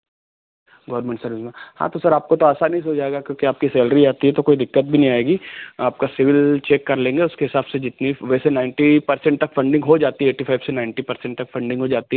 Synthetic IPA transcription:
ɡɔːɾmẽɳʈsɐɾɪzmẽhã̰ːt̪osɐɾaːp̚kot̪oaːsanɐĩs̬oːd͡ʒaːeɡakjõːkiaːp̚kisɛːlɾiaːt̪iɦɛt̪okoːid̪ɪkːət̪̚bʱinɐɦĩaːeːɡiːaːp̚kasɪʋɪlt͡ʃeːkːɐɾlẽːŋɡeʊskeɦɪsaːbsed͡ʒɪt̪niʋɛːsenaːɪ̃ɳʈipɐɾsɛ̃ɳʈt̪ɐkfɐ̃ɳɖɪ̃ŋɡɦod͡ʒaːt̪iɦɛeːʈːifaːɪbsenaːɪ̃ɳʈipɐɾsɛ̃ɳʈt̪ɐkfɐ̃ɳɖɪ̃ŋɡɦod͡ʒaːt̪iɦɛ

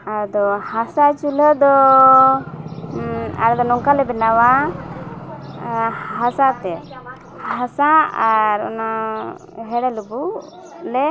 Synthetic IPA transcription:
aɾd̪ɔhasat͡ʃuləd̪ɔ | a̰ɾd̪ɔnɔŋkalɛbɛnawa | ɦasat̪ɛ | hhasaaɾɔ̰na | ɦɛɽɛlubu | lɛ

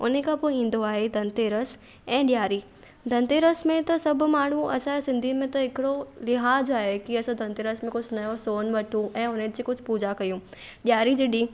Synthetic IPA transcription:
ʊ̰nekʰãpoːĩːn̆d̪oaːɦed̪ʱɐ̃nt̪eːɾəs | ɛ̃ːɗɪjaːɾi | d̪ʱɐ̃nt̪eɾəsmẽt̪ɐsɐbʱmaːɳ̤uʔɐ̰sãesɪ̃nd̪ʱimẽt̪ɐɦɪkɪɽolɪɦaːd͡ʑaːɦekiɐsãd̪ʱɐ̃nt̪eːɾəsmẽkʊd͡ʑʱnɐjosoːnʋɐʈʰũɛ̃ːʊnẽd͡ʑikʊd͡ʑʱpuːd͡ʑakɐjũ | ɗjaːɾid͡ʑeɗiː

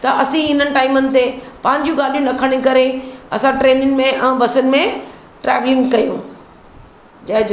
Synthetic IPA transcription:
t̪ɐʔɐsĩɦɪn̤ənɪ̆ʈaːɪmənɪ̆t̪epɐ̃ɦɪ̃ɲ̆d͡ʑjũɡaːɗijũnɐkʰəɽ̃ikɐɾeɐsãʈɾeːnɪn̆mẽʔɛ̃ːbɐsʊnɪ̆mẽ | ʈɾɛːʋlɪ̃ŋɡkɐjũ | d͡ʑɐɦɪ̃

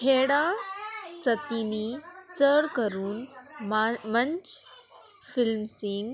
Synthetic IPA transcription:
kʰeːɽaːsɐt̪iːniː | t͡səɽkɐɾuːn | mɐ̃ɲt͡ʃ | fɪlmsiːn

